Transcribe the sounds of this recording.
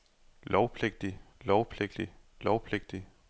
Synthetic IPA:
lɒʊpʰle̝ɡ̥̚d̥ilɒʊpʰleɡ̥d̥i | lɒʊpʰleɡ̥̚d̥i

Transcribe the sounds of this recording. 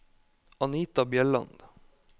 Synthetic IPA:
ɑniːt̪ɑbjɛɭɑ̰nd̪̥

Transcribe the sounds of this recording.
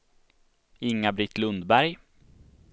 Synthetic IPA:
ɪŋːabɾɪt̪ːlɵnd̪bæɾj

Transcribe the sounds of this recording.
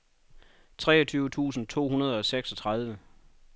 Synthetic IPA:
t͡sʰʁɛ̰ːɒ̽t͡sʰyːʊət͡sʰṵːsn̩t͡sʰo̝̰ːɦunɐð̞ˠɒ̽seɡ̥sɒ̽t͡sʰʁɑ̈ð̞ˠʋə

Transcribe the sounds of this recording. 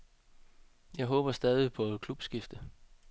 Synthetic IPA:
jɑ̈ɪɦɔ̽ːb̥ɐsd̥ɛːð̞ˠipʰɒ̽kʰlub̥sɡ̥ifd̥ə

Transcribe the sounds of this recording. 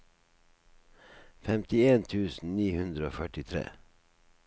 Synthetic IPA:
fɛmt̪ɪeːnt̪ʰʉːsn̩niːhʉnd̪ɾəo̰ːfœʈɪt̪ʰɾḛː

